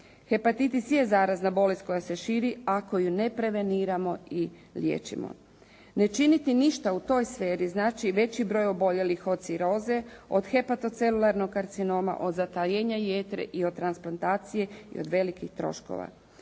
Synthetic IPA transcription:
xe̞pat̪it̪isiezaːɾaznabo̞lest̪ko̞jase̞ʃiːɾiako̞june̞pɾe̞ʋe̞niːɾamo̞i | ljḛːt͡ʃḭmo̰ | ne̞t͡ʃinit̪iniʃt̪aut̪o̞ːjsfeːɾiznaːt͡ʃiʋe̞t͡ɕibɾojo̞bo̞ʎe̞lixo̞d̪siɾo̞ːze̞o̞̰d̪xe̞pat̪o̞t̪se̞lulˠaɾno̞ɡaɾt̪sino̞ːma̰ʔo̞d̪zat̪ajeɲajeːt̪ɾḛʔio̞d̪̚t̪ːɾansplˠant̪aːt̪sije̞ḭod̪ʋe̞likixt̪ɾo̞̰ʃko̰ʋa̰

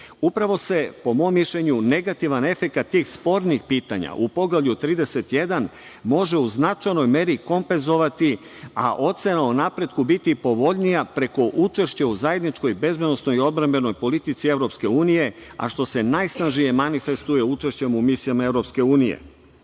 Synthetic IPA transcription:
upɾaʋo̞se̞po̞mo̞miʃʎeɲune̞ɡat̪iʋane̞fe̞kat̪ːiːxspo̞ɾnixpiːt̪a̰ɲa̰ʔupo̞ɡlavʎut̪ɾiːd̪e̞se̞t̪je̞d̪an | mo̞ʒe̞uznat͡ʃajno̞jme̞ɾiko̞mpe̞nzo̞ʋat̪i | a̰ʔo̞t̪se̞naunapɾe̞d̪kubit̪ipo̞ʋo̞ʎnijapɾe̞ko̞ʔut͡ʃe̞ʃt͡ɕeuzaje̞d̪nit͡ʃko̞jbe̞zbed̪nosno̞jio̞d̪bɾembe̞no̞jpo̞lit̪it̪sie̞ʋɾo̞pske̞uːnije̞ | a̰ʃt̪o̞se̞najsnaʒije̞manife̞st̪uje̞ut͡ʃe̞ʃt͡ɕe̞mumisijamae̞vɾo̞pske̞uːnijḛ

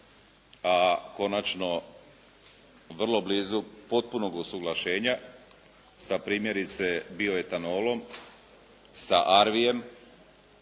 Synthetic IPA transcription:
ako̞nat͡ʃno̞ | ʋr̩lˠo̞bliːzupo̞t̪̚puno̞ɡusuɡlˠaʃe̞ːɲa | sapɾiːmje̞ɾit̪se̞bio̞jet̪anolo̞m | saʔaɾʋije̞m

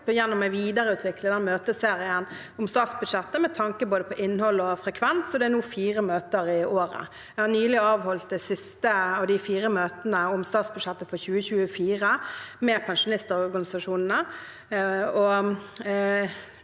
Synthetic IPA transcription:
jɛnːɔmːæʋiːd̪əɾəʉːt̪ʋɪkləd̪ɛnmøːt̪əseːɾɪən | ʊmst̪ɑːt̪sbʉd̪ʂɛt̪ːəmɛt̪ʰɑŋkəboːd̪əpʰɔʔɪnːhɔlːɔfɾɛkʰʋɛnsɔd̪ɛænuːfiːʁəmøːt̪əɾɪoːɾə̰ | ɛɡhɑɾnyːəlɪɑːʋɦɔlt̪̚d̪ɛsɪst̪əɑʋd̪ɪfiːɾəmøːt̪ənəʊmst̪ɑːt̪sbʉd̪ʂɛt̪ːəfɔɾçʉːəçʉːəfiːɾəmɛpʰɛnʂʊnɪst̪əɾɔɾɡɑnɪsɑʂuːnn̩ə | ɔ

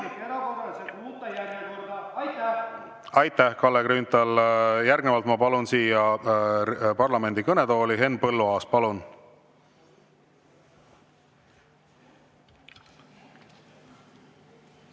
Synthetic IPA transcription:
it̪eɾɑkorrɑsemuːt̪ːˑɑjærnekord̪̥ɑɑjt̪ːæ | ɑjt̪ːˑæhkɑlːekrynt̪ɑljærɡnevɑlt̪mɑpɑlunsiːjɑ | pɑrlɑme̞nd̪ikɤnet̪o̞ːliɦe̞npɤlːuɑːs̚pɑlun

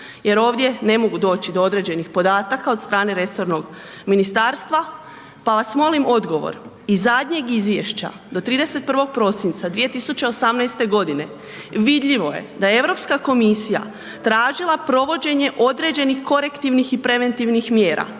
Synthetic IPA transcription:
je̞ɾo̞ːʋd̪je̞ne̞mo̞ɡud̪o̞ːt͡ɕid̪o̞o̞d̪ɾe̞ːd͡ʑe̞nixpo̞d̪aːt̪akaot̪st̪ɾaːne̞ɾe̞so̞ɾno̞ɡ | minist̪aːɾst̪ʋa | paʋasmo̞limo̞d̪ɡo̞ʋo̰ɾ | izːad̪ɲe̞ɡizʋjeʃt͡ɕa̰ | d̪o̞t̪ɾiːd̪e̞se̞t̪̚pr̩ʋo̞ɡ̥̚pɾo̞sint̪sad̪ʋije̞t̪isut͡ɕe̞osamnɛjst̪e̞ɡo̞d̪ine̞ | ʋid̪ʎʲiʋo̞je̞̰d̪ajee̞ʋɾo̞pskako̞misija̰ | t̪ɾaːʒilˠapɾo̞ʋo̞d͡ʑe̞ɲe̞ʔo̞d̪ɾe̞ːd͡ʑe̞nixko̞ɾe̞kt̪iʋnixipɾe̞ʋe̞nt̪iʋnixmjeːɾʔa̰

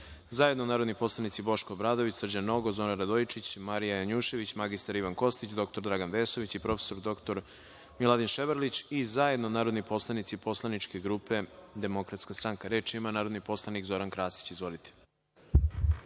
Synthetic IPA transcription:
zajed̪nonaːɾod̪nipo̞slˠanit̪sibo̞ʃkoːbɾaːd̪o̞ʋit͡ɕsr̩d͡ʑanːo̞ɡozoɾaɾad̪ojit͡ʃit͡ɕmaɾijajaɲuːʃe̞ʋit͡ɕmaɡist̪aɾiʋanko̞st̪it͡ɕd̪o̞k̚t̪o̞ɾd̪ɾaɡanʋeːso̞ʋit͡ɕipɾo̞feso̞ɾd̪o̞kt̪o̞ɾ | milˠad̪inʃeʋəɾlit͡ɕizajed̪nonaːɾo̞d̪nipo̞slˠanit̪sipo̞slˠanit͡ʃke̞ɡɾupe̞d̪e̞mo̞kɾat̪skast̪ɾaŋkaɾeːt͡ʃimanaːɾod̪nipo̞slˠanikzo̞ɾankɾaːsi̥t͡ɕizʋo̞lit̪ʰe̥

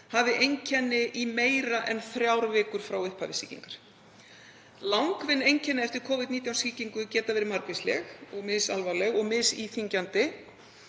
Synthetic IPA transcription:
havðɪʔejɲcʰɛnːɪʔimeːjɾaʔɛnθɾjawɾvɪːkʏɾ̥fɾawʏhpʰa̰vɪsḭːcḭŋkaɾ̥ | lawŋkvɪnːejɲcʰɛnːɪɛft̪ɪɾ̥kʰɔːvɪt̪niːt̪jawnsiːciŋkʏcɛːt̪avɛːɾɪmaɾkvɪslɛ̰xɔɣmɪðsalvalɛɣɔɣmɪðsiːθiɲcant̪ɪ

